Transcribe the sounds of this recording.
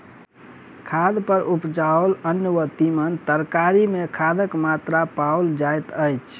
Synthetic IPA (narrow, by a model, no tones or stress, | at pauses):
kʰad̪pəɾʔupd͡ʒaolənːʋət̪imənt̪əɾkaɾimekʰad̪əkmat̪ɾapawld͡ʒajt̪əjt͡ʃʰ